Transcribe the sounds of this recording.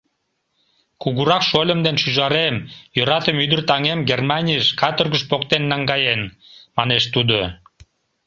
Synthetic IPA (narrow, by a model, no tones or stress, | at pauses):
kuɣuɾɑkʃolʲəmd̪enʃyʒɑɾemjøɾɑt̪əmyd̪ərt̪ɑŋemɡermɑnʲijəʃkɑt̪orɣəʃpokt̪enːɑŋɡɑjen | mɑneʃt̪ud̪o